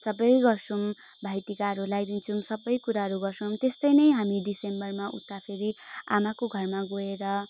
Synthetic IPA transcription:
sʌbʌjɡʌrt͡sʰum | bʱajt̪ikaɾulajd̪int͡sʰumsʌbʌjkuɾaɦʌɾuɡʌrsʰʌwmt̪est̪ʌjnʌjɦamiɖisembʌrmaʔṵt̪ːapʰeɾia̰makoɡʱʌrmaɡoeɾʌ

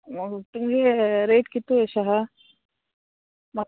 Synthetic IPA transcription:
t̪uŋɡeɾeːʈkit̪ːueʃɐɦɐ | mɐ

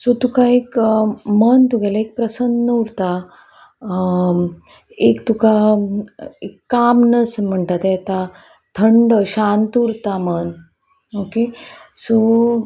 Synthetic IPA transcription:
sot̪ukaekmənt̪uɡʱɛlaek̚pɾəsənd̪nəuɾt̪a | ekt̪uka | ekːamnəsm̤əɳt̪at̪ɛt̪a | t̪ʰəɳɖəɕãnt̪uːɾt̪amən | okeso

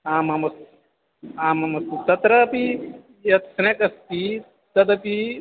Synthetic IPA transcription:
aːmɐmɐs | aːmɐmɐst̪ut̪ɐt̪ɾɐpi | jɐt̪sɐnekɐst̪i | t̪ɐd̪ɐpi

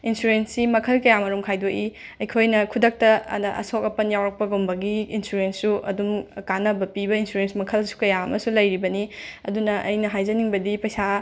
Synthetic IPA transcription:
insuɾensimɐkʰɐlkɐjamɐɾumkʰajdoʔiɐjkʰojnɐkʰudɐk̚tɐʔɐ̰sokɐpɐnjawɾɐk̚pɐɡombɐɡiːnsuɾensːuʔɐ̰dumkanɐbɐpibɐinsuɾensmɐkʰɐlsu̥kɐjaɐmɐsulɐjɾibɐniɐdunɐʔɐjnɐɦajd͡ʒɐniŋbɐdipɐjsa

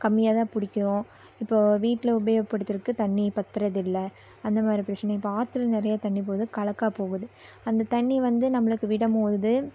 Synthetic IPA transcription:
kɐmːɪjaːt̪ãːpʊɽɪkʲːɪɾõː | ɪpːoːʋiːʈːɪlɐʊbeːɣɐpːɐɽɯt̪ːɪɾɯkːɯt̪ɐɳːipɐt̪ːɪɾɐðɪlːɐ | ɐnd̪ɐmaːd̪ɾipɪɾɐt͡ʃːɐnɐ̃ɪpːoaːɾt̪ːɯlnɪɾɐjat̪ɐɳːipoːðɯkɐlɐkːaːpoːɣɯðɯ | ɐnd̪ɐt̪ɐɳːiʋɐnd̪ɯnɐmːɐɭɯkːɯʋɪɽɐmoːðɯ

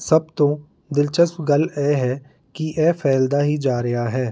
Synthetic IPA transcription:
səb̚t̪õː | d̪ɪlt͡ʃəsɡəlɛːɦɛː | kiʔɛːfʰɛːld̪aːɦiːd͡ʒaːɾɪɦaːɦɛː

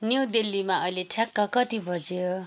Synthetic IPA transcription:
njewd̪elːimaʌjleʈʰjakːʌkʌt̪ibʱʌd͡zijo

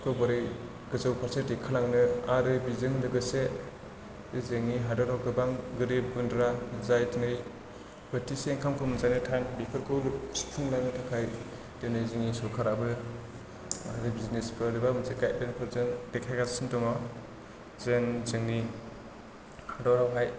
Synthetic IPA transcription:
kʰɯwbɔɾɯj | ɡ̥ɯzɯwpʰaɾsetikʰalaŋnɯaɾɯbizɯŋlɯɡɯse | ɯzeŋniɦadɔɾɔwkɯbaŋɡɯɾib̚ɡundɾazajtɯnɯj | bɯtiseŋkʰamkʰɯmɯnzajnɯtʰaŋbikʰɯɾkʰɯwlstʰuŋlaŋnɯtʰakʰaj | denɯjziŋisɔkʰaɾabɯ | a̰ɾɯbiznespɯɾibamɯnzeɡaj̚denpʰɯɾzɯŋdekʰajɡasintɔma | zenzɯŋni | hadɔɾawɦaj

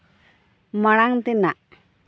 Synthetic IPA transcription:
maɽ̃aŋt̪inaʔ

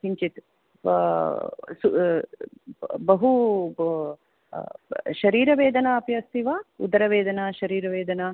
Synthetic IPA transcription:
ɦiɲt͡ʃit̪ | su | bɐɦu | ʃɐɾiːɾɐʋeːd̪ɐnaːpjɐsiʋaṵd̪ɐɾɐʋeːd̪ɐnaʃɐɾiːɾɐʋeːd̪ɐna

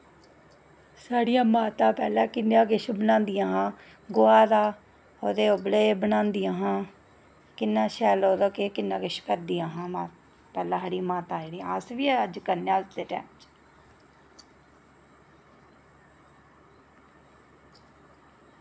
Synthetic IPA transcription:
saːɽɪjãːmaːt̪ãːpɛːlaːkɪnãːkɪʃbənãːnd̪ɪjãːɦãː | ɡʊaːd̪aː | oːd̪eːobəleːbənãːnd̪ɪjãːɦãː | kɪnːãːʃɛːloːd̪aːkekɪnːãːkɪʃpɛːd̪ijãːɦãːmaː | pɛːlãːɦəɽiːmaːt̪ãːeːɽiãːəsʋiːɛːəd͡ʒkəɾnaːd̪eːʈɛ̰ːmt͡ʃ

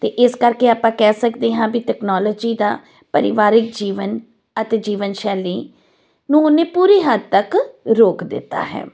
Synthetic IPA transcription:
t̪eːʔɪskəɾkeːaːpãːkɛːsəkd̪eːɦãːbiʈɛːknaːlɔːd͡ʒiːd̪aː | pəɾɪʋaːɾɪk̚d͡ʒiːʋən | ət̪eːd͡ʒiːʋənʃɛːliː | nũːʊnẽːpuːɾeːɦəd̪̚t̪əkɾoːkd̪ɪ̰t̪ːa̰ːɦɛ̰ː

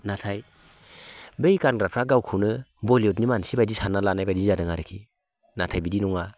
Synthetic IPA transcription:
natʰaj | bejkanɾapʰɾaɡawkʰɯnɯbɔliɔtnimansibajdisanalanajbadizadɯŋaɾɯkʰi | natʰajbidinɔŋa

